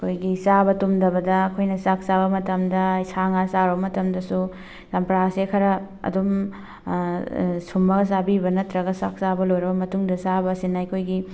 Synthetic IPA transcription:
ɐkʰojɡisabɐtumdɐbɐdɐːkʰojnɐsak̚sabɐmɐtɐmdɐisaŋasaɾbɐmɐtɐmdɐsu | sɐmpɾasekʰɐɾɐ | ɐ̰dum | sumːɐɡɐs̬abibɐnɐtɾɐɡɐsak̚sabɐlojɾɐbɐmɐtuŋdɐsabɐsinɐɐkʰojɡi

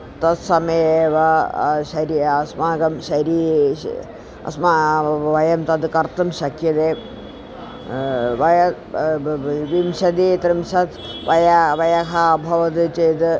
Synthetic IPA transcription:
t̪ɐsɐmɐejeːʋɐʃɐɾiɐsmaːɡɐmʃɐɾḭ | ɐ̰smaʋɐjɐmt̪ɐd̪kɐɾt̪ɐmʃɐkʰjɐd̪eː | ʋɐjɐ | ʋimʃɐd̪it̪ɾimʃɐt̪ʰ | ʋʔɐjɐʋɐjɐkɐːbʱɐʋɐd̪ɨt͡ʃeːd̪

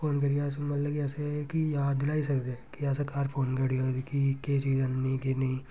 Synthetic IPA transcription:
fʰoːnkɐɾiɛs̬mɐt̪ləbkɛːsekijaːd̪ɪlaːisɐkd̪eɛkiɛːsekaːɾpʰoːnkɐɽioːd̪ikiket͡ʃiːzənnĩkenɐĩ

